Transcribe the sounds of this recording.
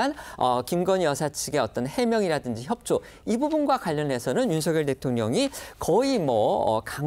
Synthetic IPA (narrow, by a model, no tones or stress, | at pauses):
anʌkimɡʌnjʌsʰat͡ɕʰiɡe̞ʌt͈ʌnhe̞mjʌŋiɾadɯnd͡ʑiçjʌp̚t͡ɕ͈o | ibubunɡwakwaʎːʌnɦe̞sʰʌnɯnjunsʰʌɡjʌɭte̞tʰoŋɲʌŋikʌimʌʌ̰ka